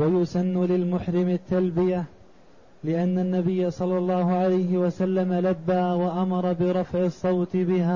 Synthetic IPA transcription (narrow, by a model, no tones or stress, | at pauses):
wajʊsanːulɪlmʊħɾɪmɪt̪ːalbɪja | lɪʔanːanːabɪjːasˤɑlːɑlˤːɑːhʊʕalajhɪwasalːamalabːaːwaʔamɑɾˤɑbɪɾˤɑfʕɪsˤːɑwt̪ɪbɪhaː